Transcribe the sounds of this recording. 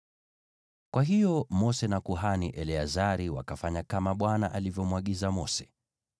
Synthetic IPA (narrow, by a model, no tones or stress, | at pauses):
kwaɦijɔmɔsɛnakuɦaniʔɛlɛazaɾiwa̰kafaɲakamaɓwanaʔalivjɔmwaɠizamɔsɛ̥